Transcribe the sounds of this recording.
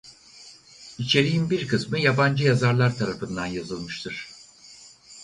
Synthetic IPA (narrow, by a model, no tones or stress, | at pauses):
it͡ʃʰe̞ɾijinbiɾkʰɯsmɯjaband͡ʒɯjazaɾlˠaɾt̪ʰaɾafɯnd̪anjazɯlˠmɯʃt̪ʰɯɾ̝̥